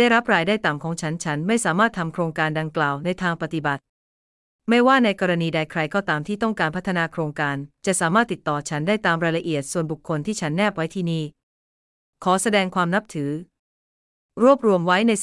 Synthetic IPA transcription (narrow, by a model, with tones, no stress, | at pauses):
aː˥˩jɾa˦˥p̚ɾaː˧jdaː˥˩jt̪a˨˩mkʰɔː˩˦ŋt͡ɕʰa˦˥nt͡ɕʰa˦˥nma˥˩jsaː˩˦maː˥˩t̪ʰːa˧mkʰɾoː˧ŋkaː˧nda˧ŋklaː˨˩wna˧jt̪ʰaː˧ŋpa˨t̪i˨˩ba˨˩t̪̚ | ma˥˩jwaː˥˩na˧jkɔː˧ɾa˧niː˧da˧jkʰɾa˧jkɔː˥˩t̪aː˧mt̪ʰiː˥˩t̪ɔ˥˩ŋkaː˧npʰa˦˥t̪ʰːa˧naː˧kʰɾoː˧ŋkaː˧nt͡ɕa˨˩ʔsaː˩˦maː˥˩t̪ːi˨˩t̪ːɔː˨˩t͡ɕʰa˦˥ndaː˥˩jt̪aː˧mɾaː˧jla˧ʔi˨˩ət̪̚su˨˩ənbu˨˩kʰːo˧nt̪ʰiː˥˩t͡ɕʰa˦˥nːɛː˥˩p̚wa˦˥jt̪ʰiː˥˩niː˥˩ | kʰɔː˩˦sa˧dɛː˧ŋkʰwaː˧mna˦˥p̚t̪ʰɯː˩˦ | ɾu˥˩əp̚ɾu˧əmwa˦˥jna˧j